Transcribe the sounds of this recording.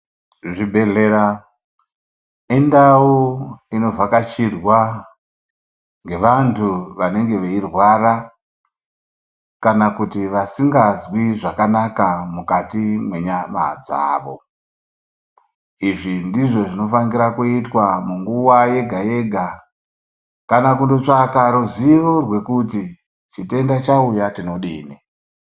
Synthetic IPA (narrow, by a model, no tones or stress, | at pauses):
ʐibʱeɮeɾa | indauino̞vakat͡ʃirwa | ŋɡe̞ʋantʰuʋane̞ŋɡe̞ʋeirwara | kanakutiʋasiŋɡazwiʐakanakamukatimwe̞ɲama̰d͡za̰ːʋo̞̰ | iʐindiʐo̞ʐino̞fanɡiɾakuitwamuŋɡuwaje̞ɡʱaje̞ɡʱa | kanak̬undo̞t͡ʂakaɾuziʋorwe̞kuti | t͡ʃite̞ndat͡ʃaujatino̞ɗiːni